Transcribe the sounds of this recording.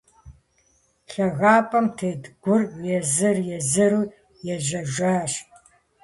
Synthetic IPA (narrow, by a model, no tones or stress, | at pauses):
ɬɐɣaːpʼɐmtʰɨːdɡʷʊrjɛzɨrjɛzɨɾuː | jɛʒɐʒaːʃ